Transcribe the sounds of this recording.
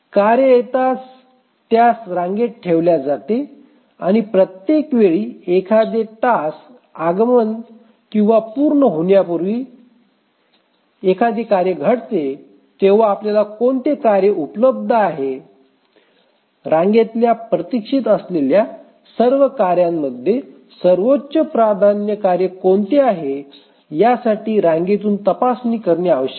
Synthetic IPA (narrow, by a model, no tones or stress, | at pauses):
kaɾjəjet̪at͡s | t̪jasɾãŋɡeʈ̚ʈʰeʋljad͡zat̪e | a̰ñipɾət̪jekʋeɭiːekʰad̪eʈas | aɡmən | kĩw̃ʋapuɾɳəɦoɳjapuɾʋiː | ekʰad̪ekaɾjəɡʱəɽt̪e | t̪eʋ̤aːpljalakoɳt̪ekaɾjəupləb̚d̪ʱəaɦe | ɾãŋɡet̪ljapɾət̪ikʂit̪əslelja | səɾʋəkaɾjamːəd̪ʱːje | səɾʋotːt͡ɕəpɾad̪ʱanjəkaɾjəkoɳt̪eaɦe | jasaʈiːɾãŋɡet̪̬uːnt̪əpasniːkəɾɳjaːʋəɕə̥